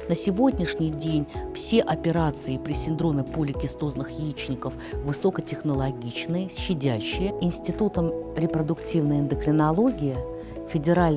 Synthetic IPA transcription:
nəsʲɪvo̞dʲnʲɪʂnʲɪjdʲenʲfsʲe̞ʔɐpʲɪɾat̪sɨɪpɾʲɪsʲɪnd̪ɾo̞mʲɪpulʲɪkʲɪst̪oznɨxjɪt͡ɕnʲɪkəfvɨso̞kətʲɪxnəlˠɐɡʲit͡ɕnɨjəsːɪdʲæɕːɪjəɪnsʲtʲɪt̪ut̪əmɾʲɪpɾəd̪ʊktʲivnəjɪnd̪əkɾʲɪnɐlˠo̞ɡʲɪjɪ | fʲɪdʲɪɾalʲ

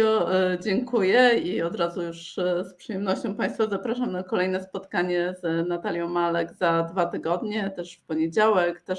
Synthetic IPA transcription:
ɔd͡ʑɛŋkujɛiɔd̪ɾazujuʂspʂɨjɛmnɔɕt͡ɕɔ̃w̃paj̃st̪fazapɾaʂamnakɔlɛjnɛspɔt̪kaɲɛznat̪alʲjɔ̃w̃malɛɡzad̪vat̪ɘɡɔd̪ɲɛt̪ɛʂfpɔɲed͡ʑawɛkt̪ɛʂ

